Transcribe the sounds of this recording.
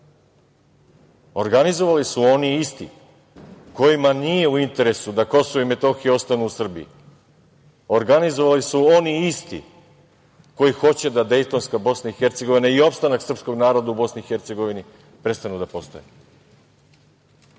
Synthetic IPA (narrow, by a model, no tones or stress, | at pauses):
o̞ɾɡanizo̞ʋalisuo̞niist̪ḭ | ko̞jimanije̞uint̪e̞ɾe̞sud̪ako̞soʋoime̞t̪o̞xio̞st̪anuːsr̩bḭḭ | o̞ɾɡanizo̞ʋalisuo̞niist̪ḭ | ko̞jixo̞t͡ɕe̞d̪ad̪e̞jt̪o̞nskabo̞snaixe̞ɾt̪se̞ɡo̞ʋinaio̞pst̪anaksr̩psko̞ɡnaːɾo̞d̪aubo̞sniːxe̞ɾt̪se̞ɡo̞ʋini | pɾe̞st̪anud̪apo̞st̪o̰je